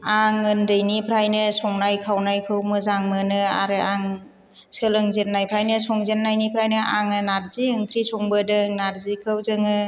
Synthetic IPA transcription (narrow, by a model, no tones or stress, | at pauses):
aŋɯndɯjnipʰɾajnɯsɔŋnajkʰawnajkʰɯwmɯzaŋmɯnɯa̰ɾɯaŋ | sɯlɯŋzennajpʰɾajnɯsɔŋzennajnipʰɾajnɯʔaŋɯnaɾziɯŋkʰɾisɔŋbɯdɯŋnaɾzikʰɯwzɯŋɯ